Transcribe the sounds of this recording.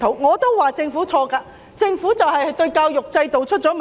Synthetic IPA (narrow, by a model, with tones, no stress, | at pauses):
t̪ʰo˨˥wŋɔː˨˧t̪o˥wwaː˨t͡sɪ˧ŋfuː˨˥t͡sʰɔː˧kaː˧ | t͡sɪ˧ŋfuː˨˥t͡sɐ˨wɦɐ˨jɐ˨jt̪ɵ˧ɥkaː˧wjʊ˨k̚t͡sɐ˧jt̪o˨wt͡ʃʰɵ˥t̚t͡sɔː˨˥m